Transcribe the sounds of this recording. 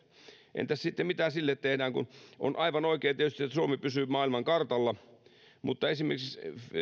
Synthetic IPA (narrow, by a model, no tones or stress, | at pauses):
ʔḛnt̪æssit̪ːemit̪æːsilːet̪t̪ehdæːŋkṵnʔo̰nʔɑiʋɑnoikeːnt̪iet̪yst̪iet̪ːsuomepysyːˑmɑːilmɑŋkɑrt̪ɑlːɑ | mut̪ːɑesimḛrkiks